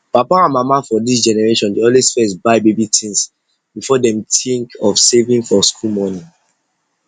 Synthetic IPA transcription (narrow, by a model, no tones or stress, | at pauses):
papaãnmamafɔdis̬d͡ʒɛnɛɹeʃɔ̃ndiɔ̃nlesfɛsbaɪbebitʰĩns | b̥ifɔdɛ̃mtĩŋkɔfsevĩŋfɔskʰulmɔnĩ